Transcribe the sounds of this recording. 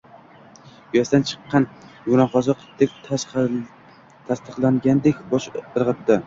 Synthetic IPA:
ʊjasd̪ant͡ʃʰɨ̥qːɑnjʊnaqɒzɨq̪ʰd̪ek̪̚ʲʰ | t̪ʰast̪ɨqlˠaŋɡʲand̪ekʲbɒʃɨɾʁɨt̪ːɪ

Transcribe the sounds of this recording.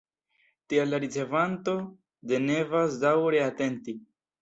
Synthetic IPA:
tialaɾit͡se̞vanto̞ | de̞ne̞vas̬dawɾe̞ate̞nti

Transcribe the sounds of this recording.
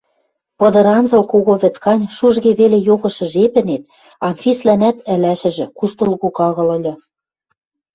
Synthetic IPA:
pɤ̆d̪ɤ̆ɾɑnzɤ̆lkoɣoβɘ̆t̪kɑnʲʃuʒɣeβelejoɣɤ̆ʃɤ̆ʒepɘ̆net̪̚ | ɑnfʲislænæt̪ɘ̆læʃɘ̆ʒɘ̆kuʃt̪ɤ̆lɣukɑɣɤ̆lɤ̆lʲɤ̆

